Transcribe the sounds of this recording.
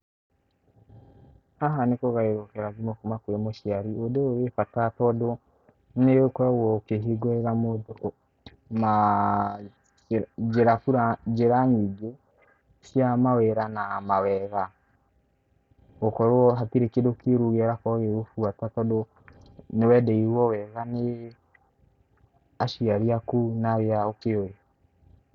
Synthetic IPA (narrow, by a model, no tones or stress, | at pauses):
aɦanekoɣaeɾokɛɾazimokumakuɾemoʃiaɾiodeoɣefatatɔdo | nekɔɾawɔkeɦeɡwɛɣamod | ma | eɾafuɾad͡ʒeɾaɲiɡe | sjamawɛɾanamawɛɣa | okɔɾɔɦatiɾekedokiɾuɣɛɾakɔɣeofuatatɔdo | newɛdɛiɾwɔwɛɣane | aʃiaɾiakunaɾjaokeoje